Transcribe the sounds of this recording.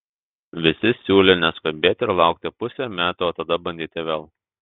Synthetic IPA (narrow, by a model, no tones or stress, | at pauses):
ʋʲɪsʲɪsʲuːlʲeːnʲɛskɐbʲeːt̪ʲɪɾlˠɑˑʊk̚t̪ʲɪpʊsʲɛmʲæːt̪uoːt̪ɐd̪ɐbɐnʲd̪ʲiːt̪ʲɪʋʲeːlˠ